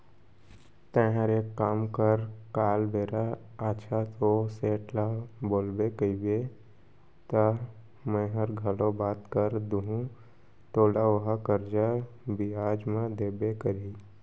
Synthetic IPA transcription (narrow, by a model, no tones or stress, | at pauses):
t̪ɛ̃ɦəɾekːaːmkəɾkaːlbeːɾa | at͡ʃʰat̪oseːʈlaboːlbekəibe | t̪a | mɛ̃ɦəɾɡʱəlobaːt̪kəɾd̪uɦũ | t̪oːlaʋoɦakəɾd͡ʒabiaːd͡ʒmãd̪eːbekəɾi